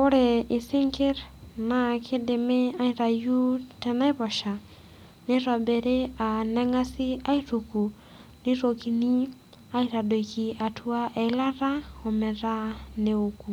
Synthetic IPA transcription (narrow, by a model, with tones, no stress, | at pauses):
o˦ɾe˨i˨si˦ŋke˦ɾna˨kʰe˦de˨me˦a˦iɾa˨ju˦tɛ˨na˦i˦βɔ˨ʃa˨ | ne˦ɾwa˨bɛ˨ɾe˦a˨nɛ˦ŋa˦si˦a˦i˦ɾu˨ku˨ | ni˦ɾo˨ki˨ni˦ | a˦iɾa˨do˨ki˨a˨tʰu˦a˦ʔɛ˨˦la˦ra˦ɔ˨mɛ˨ɾa˦ne˨oku˨